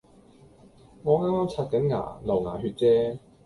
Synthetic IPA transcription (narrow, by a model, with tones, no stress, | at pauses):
ŋɔː˨˧ŋaː˥maː˥mt͡sʰaː˧t̚kɐ˨˥nŋa̰ː˨˩lɐ˨˩wŋaː˨˩ɦyː˧t̚t͡sɛː˥